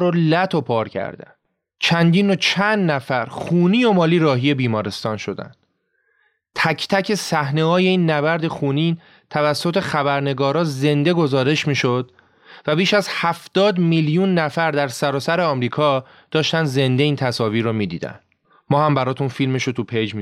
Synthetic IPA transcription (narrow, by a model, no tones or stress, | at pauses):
ɾolæt̪ʰo̞pʰɒːɾcʰæ̰ɾd̪æ̰n | t͡ʃʰænd̪iːnot͡ʃʰænd̪næfæɾχuːniːomɒːliːɾɒːɦije̞biːmɒːɾe̞st̪ɒːnʃo̞d̪æ̰nd̪̥ | t̪ʰæcʰt̪ʰæcʰe̞sæhne̞ɦɒːje̞iːnːæbæɾd̪e̞xuːniː | t̪ʰævæsːo̞t̪ʰeχæbæɾne̞ɡɒːɾɒːze̞nd̪e̞ɡo̞zɒːɾe̞ʃmiːʃo̞d̪̥ | væbiːʃæzhæft̪ɒːd̪miljunːæfæɾd̪æɾsæɾɒːsæɾeɒːmɾiːkʰɒː | d̪̥ɒːʃt̪ænd̪ze̞nd̪e̞iːnt̪ʰæsɒːviːɾomiːd̪ḭːd̪æ̰nd̪ | mɒːhæmbæɾɒːt̪ʰunfilme̞ʃot̪ʰupʰejd͡ʒmi